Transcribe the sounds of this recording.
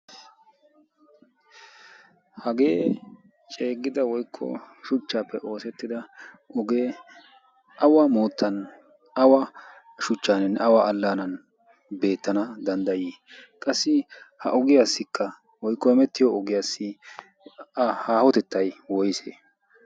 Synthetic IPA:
hɐɡe̞ː | t͡ʃʼe̞ːɡɪd̪ɐwɔjkʰːɔ̰ʃʊt͡ʃːaːpːɛʔo̞ːsɛt̪ːɪd̪ɐ | ʔɔɡeː | ʔɐwaːmoːt̪ʰːɐn | ʔɐwa | ʃʊt͡ʃːaːnɛnɐwaʔɐlːaːnɐn | be̞ːt̪ːɐnɐd̪ɐnd̪ɐjiː | kʼɐsːɪhɐ̰ʔɔɡɪjaːsːɪkʰːɐ | wɔjkːɔɛmɛt̪ːɪjɔɔɡɪjaːsːɪ | haːhɔt̪ɛt̪ːɐjwɔjseː

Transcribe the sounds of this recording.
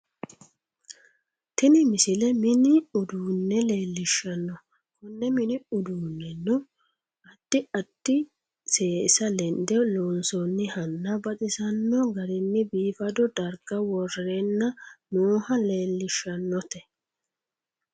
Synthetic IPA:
t̪ɪnɪmɪsɪlɛmɪnɪʊd̪uːnːɛle̞ːlːɪʃːɐnːɔ | kʊnːɛmɪnɪʊd̪uːnːɛnːʊ | ɐd̪̥ːɪɐd̪̥ːɪ | seːsɐlɛnd̪ɛloːnsɔnːɪhɐnːɐbɐt̪ʼɪsɐnːɔɡɐɾɪnːɪbiːfɐd̪ɔd̪ɐɾɡɐwɔrenːɐnuːhɐle̞ːlːɪʃːɐnːɔt̪ɛ

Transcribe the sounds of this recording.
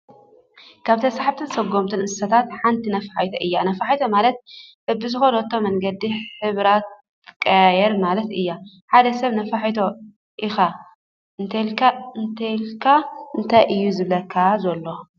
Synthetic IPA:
kʰaβt̪ʰɐsaħabt̪ʰɨnsɐɡːo̞mt̪ʰɨnʔɨsɐt̪ʰat̪ħant̪ʰinɐfaħajt̪ʰoʔɨjːanɐfaħajt̪ʰomalɐt̪̚bɐbɨzɨxolot̪ʰːo̞mɐŋɡɐd̪iħɨβɾat̪̚ | kʼːɐjajɛɾmalɐt̪ɨjːa | ħad̪ɐsɐβnɐfaħit̪ʰo | ʔixa | ɨnt̪ʰɐjlkʰaɨnt̪ʰɐjlkʰaɨnt̪ʰajʔɨjːuzɨβlɐkʰːazɐlːo

